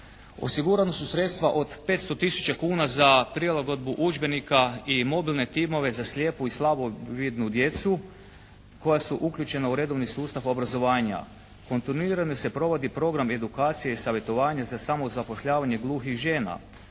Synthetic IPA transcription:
o̞̰siɡuɾanosusɾe̞t̪st̪ʋaʔo̞d̪pe̞ːt̪st̪o̞t̪isu̥t͡ʃakuːnazapɾielaɡo̞d̪buʔud͡ʒbe̞nikaimo̞bilˠne̞t̪imo̞ʋe̞zaslʲje̞ːpuislˠabuʋid̪nud̪je̞t̪su | ko̞jasuʔukʎʲut͡ʃe̞nauɾe̞d̪o̞ʋnisuːst̪aʋo̞bɾazo̞ʋaːɲa̰ | ko̞nt̪inuiːɾanose̞pɾo̞ʋo̞d̪ipɾo̞ɡɾame̞d̪ukaːt̪sijeisaʋje̞t̪o̞ʋaːɲazasamo̞zapo̞ʃʎaːʋaɲe̞ɡlˠuːxiʒe̞ːna̰

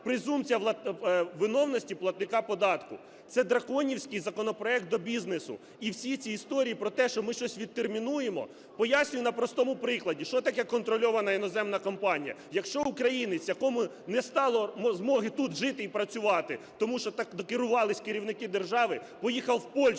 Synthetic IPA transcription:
pɾɪzumt͡sʲijɐlˠɐʋɪnɔwnɔsʲtʲiplˠɐt̪̚nɪkɑpɔd̪ɑt̪kʊ | t̪sɛd̪ɾɐkɔnʲiwsʲkɪjzɐkɔnɔpɾɔɛk̚t̪̚d̪ɔbʲiznesʊ̰ | iwsʲit͡sʲiːst̪ɔɾʲijipɾɔt̪ɛʃt͡ʃɔmɪʃt͡ʃɔsʲʋʲid̪̚t̪ːermʲinujemɔ̰ | pɔjasʲnʲʊjʊnɐpɾɔst̪ɔmʊpɾɪklˠɐdʲiʃt͡ʃɔt̪ɐkɛkːɔnt̪ɾɔlʲɔʋɐnɐinɔzɛmnɐkɔmpɑnʲijɐ̰ | jɐkʃt͡ʃɔʊkɾɐjinɪt͡sʲjɐkɔmʊ | nɛst̪ɑlˠɔmzmɔɦɪt̪ut̪ʒɪt̪ɪipɾɐt͡sʲʊʋɑt̪ɪ | t̪ɔmuʃt͡ʃɔt̪ɑkd̪ɔkɪɾʊʋɑlˠɪsʲkɪɾʲiwnɪkɪd̪erʒɑʋɪpɔjixɐlˠwpɔlʲʃ

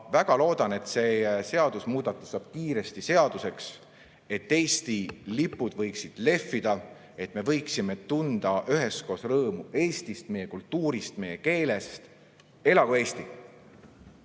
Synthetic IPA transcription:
væɡ̥ɑlo̞ːd̪̥ɑne̞t̪se̞ːse̞ɑd̪̥usmuːd̪̥ɑt̪ːˑusɑːb̥̚kiːɾe̞st̪ise̞ɑd̪̥use̞ks | e̞t̪ːe̞ːst̪ilipːˑud̪̥vɤjksid̪̥le̞fːid̪̥ɑ | e̞t̪me̞vɤ̞jksime̞t̪und̪̥ɑʔyɦe̞sko̞ːsrɤːmue̞ːst̪ist̪me̞jekult̪ːuːɾist̪me̞je̞ke̞ːle̞st̪ | e̞lɑɡ̥oe̞ːst̪i

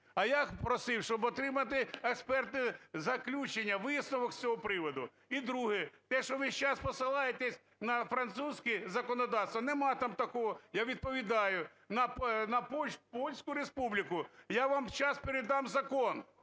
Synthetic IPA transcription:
ɐjapɾɔsɪwʃt͡ʃɔbɔt̪ɾɪmɐt̪ɪɛkspɛrt̪ɪzɐklʲut͡ʃenʲːɐʋɪsnɔʋɔksʲt͡sʲɔɦɔpɾɪʋɔd̪ʊ | id̪ɾuɦɪt̪ɛʃɔʋɪʃt͡ʃaspɔsɪlˠɑjet̪ɛsʲ | nɐfɾɐnt̪suzʲkɪzɐkɔnɔd̪ɑwst̪ʋɐnemɑt̪ɑmt̪ɐkɔɦɔjaʋʲid̪̚pɔʋʲid̪ɑjʊ | nɐpnɐpɔpɔlʲsʲkʊɾespublʲikʊjaʋɑmt͡ʃɑspeɾɪd̪ɑmzɐkɔn

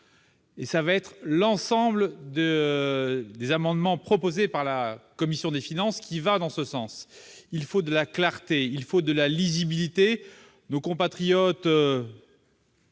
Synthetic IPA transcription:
esavaɛt̪χlɑ̃sɑ̃bld̪e | d̪ezamɑ̃d̪mɑ̃pχɔpozepaʁlakɔmisjɔ̃d̪efinɑ̃skʲivad̪ɑ̃səsɑ̃silfod̪əlaklaʁt̪eilfod̪əlalizibilit̪e | nokɔ̃pat̪χijɔt̪

